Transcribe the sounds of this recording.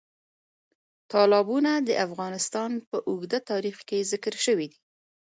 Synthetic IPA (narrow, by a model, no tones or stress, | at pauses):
t̪ɑlɑbunad̪əʔafɣɑnɪst̪ɑnpəʔʊɣd̪at̪ɑɾixkezɪkɾʃəwid̪i